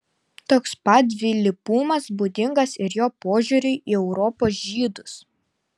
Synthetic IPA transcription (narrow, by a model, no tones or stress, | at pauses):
t̪oːkspɐt̪̚ʲʋʲɪlʲɪpuːmɐsbuːd̪ʲɪŋɡɐsɪɾjoːpoːʒʲuːɾʲʊɪʔiːɛʊɾɔpoːs̬ʒʲiːd̪ʊs